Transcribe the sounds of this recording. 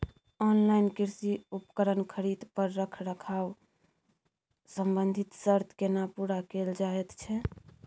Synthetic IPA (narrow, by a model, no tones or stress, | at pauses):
ɔnlainkiɾsiupəkəɾənkʰəɾid̪pəɾːəkʰɾəkʰaw | səmbənd̪ʱit̪səɾt̪kenapuɾakeld͡ʒaɛt̪t͡ʃʰɛ